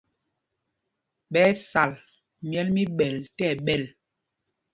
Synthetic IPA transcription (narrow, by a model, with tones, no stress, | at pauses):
ɓɛː˨˦sa˨l | mjɛ˦lmi˦ɓɛ˨ltɛ˦˨ɓɛ˦˨l